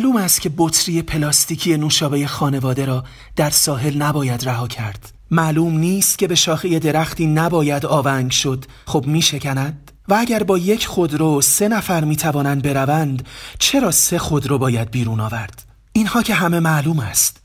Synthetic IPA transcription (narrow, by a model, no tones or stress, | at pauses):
mæluːmæst̪cʰe̞bot̪ʰɾije̞pʰe̞lɒːst̪iːcʰijenuːʃɒːbe̞je̞xɒːne̞vɒːd̪e̞ɾɒː | d̪̥æɾsɒːɦe̞lnæbɒːjæd̪ræɦɒːcʰæɾd̪̥ | mæːluːmniːst̪̚cʰe̞be̞ʃɒːxije̞d̪e̞ɾæxt̪ʰiːnæbɒːjæd̪ɒːvæŋɡʃo̞d̪̥ | χobmiːʃe̞cʰænæd̪̥ | vææɟæɾbɒːje̞cʰχo̞d̪ɾose̞næfæɾmiːt̪ʰævɒːnænd̪̚be̞ɾævænd̪t͡ʃʰe̞ɾɒːse̞xo̞d̪ɾɒbɒːjæd̪̚biːɾuːnɒːvæɾd̪̥ | inhɒːcʰe̞ɦæme̞mæluːmæst̪